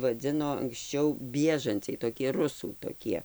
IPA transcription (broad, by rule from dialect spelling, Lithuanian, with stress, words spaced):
ʋɐˈd͡zʲɪnoː ɐŋksʲˈt͡ʃʲɛʊ ˈbʲiɛʒɐnʲt͡sʲɛɪ toːˈkʲiɛ ˈrʊsuː toːˈkʲiɛ